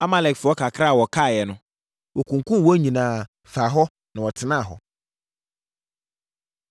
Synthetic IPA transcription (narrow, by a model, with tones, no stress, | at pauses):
a˦mã˦˨lɛ˨kfʊ˨˦ɔ˦kʰa˨kʰɾa˦˨wɔ˨kʰa˦˨jɛ˨nʊ̃˦ | wʔɔ˨kʰũ˨ŋ˨kʰũ˦˨wɔ˦ɲĩ˨nãː˨ | fa˨ɦɔ˦ | nã˨wɔ˨tʰɪ˨nã˦˨ɦɔ̰˨